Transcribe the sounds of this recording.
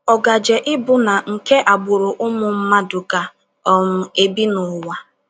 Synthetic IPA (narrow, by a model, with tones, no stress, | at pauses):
ɔ˨ɡa˨d͡ʒe˨ʔɪ˦bʊ˨na˨ŋ̩˨ke˦ʔa˨ɡ͡bʊ˨ɾʊ˨ʔʊ˦mʊ˨m̩˦ma˦dʊ˨ɡa˨ | ɔ˦mʊ˨e˨bi˦nʊ˨wa˨